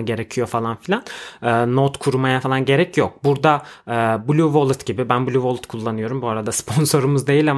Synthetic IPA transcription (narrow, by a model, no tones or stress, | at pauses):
ɟe̞ɾe̞cʰijo̞falˠanfilʲanɯːnot̪kʰuɾumajafalˠanɟe̞ɾɛcʰjok̚buɾd̪aːbulʲuvolˠt̪ɟibibænbulʲuvolˠt̪kʰulˠːanɯjo̞ɾumbuaɾad̪aspʰo̞nso̞ɾumuzd̪e̞jilʲa